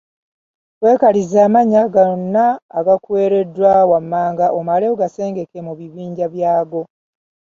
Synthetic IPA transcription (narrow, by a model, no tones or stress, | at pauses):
kwe̞ːkalizaːmaɲaɡanːaːɡakwe̞ːɾe̞dːwawamːaːŋɡaʔomaleoɡase̞ːŋɡe̞kemuβiβiːɲɟaβjaːɡo̞